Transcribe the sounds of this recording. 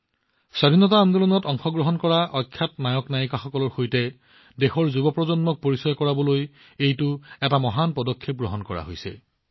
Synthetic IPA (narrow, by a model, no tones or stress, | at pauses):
sadʱinɔtaand̪ɔlɔnɔtɔŋxɔɡɹɔɦɔnkɔɹaʔɔkʰːjatnajɔknajɔkaxɔkɔlɔɹxojtɛ | dexɔɹzubɔpɹɔzɔnmɔk̚poɹisɔjkɔɹabɔloj | ejtʊɛtamɔɦanpɔdɔkʰːep̚ɡɹɔɦɔnkɔɹa̰ɦojsɛ̰